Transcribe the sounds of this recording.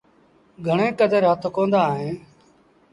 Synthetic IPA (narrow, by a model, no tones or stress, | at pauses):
ɡʱəɳẽːkəd̪ʱəɾət̪ʰokõːnd̪aːɦẽː